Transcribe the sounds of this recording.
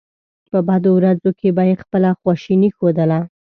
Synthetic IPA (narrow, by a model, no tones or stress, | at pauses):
pəbɑd̪owɾazokʰebajexpəlaxwɑʃinixod̪əla